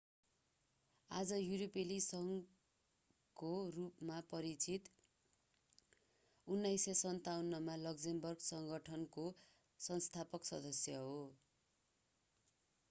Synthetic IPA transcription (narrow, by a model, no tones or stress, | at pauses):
ad͡zʌjuɾopelisʌŋ | korupmapʌɾit͡sit̪ | unːajsʌsʌnt̪awnːʌmalʌksembʌrɡsʌŋɡʌʈʰʌnko | sʌnst̪ʰapʌksʌd̪ʌsjʌɦo